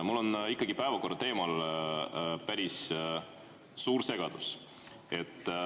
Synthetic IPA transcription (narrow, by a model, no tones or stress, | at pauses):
mulːo̞nikːˑɑɡ̥ipæevɑko̞rːɑt̪e̞ːmɑl | pæɾis | suːɾse̞ɡ̥ɑd̪̥us | e̞t̪ːˑ